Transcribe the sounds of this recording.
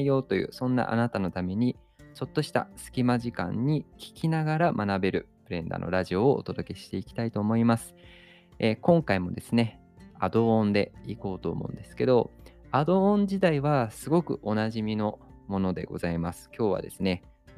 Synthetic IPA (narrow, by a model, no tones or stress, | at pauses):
ijo̞ːt̪o̞jɯ̟̰ːsõ̞nːa̰ʔa̰nat̪ano̞t̪ame̞ɲ̟i | t͡ɕo̞t̪ːo̞ɕi̥t̪a̰sɨ̥kʲimaʑikã̰ɲ̟ːikʲi̥kʲinaɡaɾamʔanabe̞ɾɯ̟pɯ̟ɾẽ̞nd̪a̰no̞̰ɾaʑio̞ːot̪o̞d̪o̞ke̞ɕi̥t̪e̞ikʲi̥t̪ait̪o̞ːmo̞imasɨ̥ | ekõ̞ŋkaimo̞d̪e̞sɨne̞ | a̰d̪õ̞ːnd̪e̞̰iko̞ːt̪o̞̰ːmʔo̞̰ɯ̟̃nd̪e̞sɨ̥ke̞d̪o̞̰ | ad̪õ̞ːɲd͡ʑid̪aiβasɨɡo̞kɯ̟̰ʔo̞naʑimʲino̞ | mo̞no̞d̪e̞̰ɡo̞̰zaimasɨ̥kʲo̞ːβa̰d̪e̞̰sɨne̞